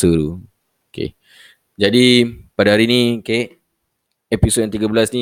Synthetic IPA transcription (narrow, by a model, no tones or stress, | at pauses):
səɾu | okḛ | d͡ʒadipadaɦaɾinĩkaʔ | ɛpisot̚jaŋt̪iɡabəlasni